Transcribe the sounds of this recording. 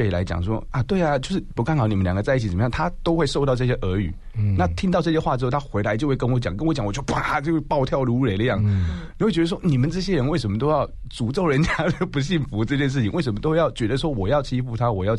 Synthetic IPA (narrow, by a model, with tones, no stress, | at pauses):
e˥˩la˧˥ɪt͡ɕjɑ̰˨˩ŋʂ̬wɔ̰˦ɐ˨t̪we˥˩ɪɐ˨t͡ɕjo˥˧ʊʂɻ̩˥˩pu˧˥ka˥˧nxɑ˨˦ni˨˩ə˦ljŋɡə˦t͡sa˥˧ɪi˥˩i˨˩˨m˦jɑ˥˨ŋt̪ʰa˥t̪o˥ʊxwe˥˧ɪʂo˥˧ʊt̪ɑ˥˧ʊʈ͡ʂɤ˥˧˩ɕjɛ˥ʔə˧˥y̰˨˩˦ | na˥˨t̪ʰi˥ŋt̪ɑ˥˧ʊʈ͡ʂɤ˥˧˩jɛ˥xwa˥˩ʈ͡ʂɻ̩˥o˥˩t̪ʰa˥xwe˧˥ɪla˧ɪt͡ɕjo˥˧xwe˥˩ə˥nwɔ˧˥t͡ɕɑ˨˩ŋkə˥nwɔ˧˥t͡ɕjŋwɔ˨˩t͡ɕjo˥˩ʊpt͡ɕo˥˧xe˥˩ɪpɑ˥˧ʊt̪ʰjɑ˥˧ʊlu˧˥le˨˩ɪlə˧jɑ˥˩ŋni˨˩wt͡ɕɥɛ˧˥d̪wɔ˥ni˨˩mə˨˦nʈ͡ʂɤ˥˩ɕ̬jɛ˥ɻə˧˥nwe˥˩ɪʂə˧˥mə˧t̪̬o˥ʊjɑ˥˩ʊ | t͡su˧˥t͡so˥˩ʊɻə˧˦nt͡ɕja˥d̪ə˧˩pu˧˥ɕi˥˩nfu˧˥ʈ͡ʂɤ˥˧t͡ɕjɛ˥˧nʂɻ̩ʰ˥˩i˦ŋwe˥˩ʂə˧˦mə˧t̪o˥˧jɑ˥˩ʊt͡ɕɥɛ˧˥d̪ə˧ʂwɔ˥wɔ˨˩jɑ˥˩ʊt͡ɕʰi˥fu˥˧˩t̪ʰa˥wɔ˨˩jɑ˥˩ʊ